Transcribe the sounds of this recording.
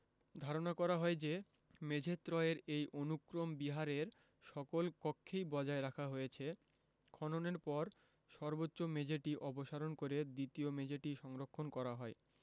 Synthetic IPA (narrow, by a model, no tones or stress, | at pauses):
d̪ʱaɾonakɔɾaɦɔed͡ʑe | med͡ʑʱet̪ːɾɔeɾejʔonukɾombiɦaɾeɾ | ʃɔkolkɔkʰːejbɔd͡ʑaeɾakʰaɦojet͡ɕʰe | kʰɔnoneɾpɔɾ | ʃɔɾbotːɕomed͡ʑʱeʈiʔɔboʃaɾonkoɾed̪it̪iomed͡ʑʱeʈiʃɔŋɾokʰːonkɔɾaɦɔe